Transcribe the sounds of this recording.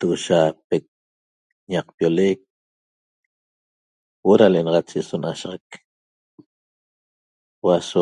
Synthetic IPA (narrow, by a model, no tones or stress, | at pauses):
t̪uɣʃapek̚ | ɲɑq̚pjolek̚ | woɾaleʔenɑʁɑt͡ʃeʔsonaʃʁɑk | waso